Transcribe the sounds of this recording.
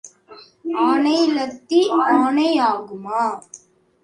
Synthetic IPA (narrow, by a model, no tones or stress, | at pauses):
aːnɐjlɐt̪ːiaːnɐjaːɡumaː